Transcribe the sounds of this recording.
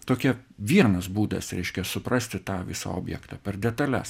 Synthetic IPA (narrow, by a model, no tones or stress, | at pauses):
t̪oːkʲɛʋʲiɛnɐsbuːd̪ɐ̰sɾʲɛɪʃʲkʲɛsʊprɑsʲt̪ʲɪt̪ɑːʋʲɪ̰sɑ̰o̰ːbʲjɛ̰kt̪ɑːpʲɛrd̪ʲɛt̪ɐlʲæ̰s